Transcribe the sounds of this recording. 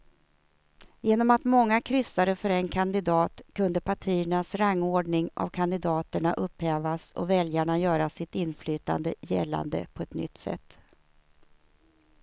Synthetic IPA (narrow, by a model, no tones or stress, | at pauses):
jeːnɔmat̪mɔŋːakʰɾʏsːaɾəfœɾɛnkʰand̪ɪd̪ɑːt̪kʰɵnd̪əpʰaʈʰiːəɳasɾaŋːoːɖɳɪŋa̰vkʰand̪ɪd̪ɑːt̪əɳaʔɵphɛːvasɔ̰vɛljaɳajœːɾasɪt̪ɪnːflyːt̪a̰nd̪əjɛ̰lːa̰nd̪ə̰pʰɔɛt̪nʏ̰t̪ːsɛ̰t̪ː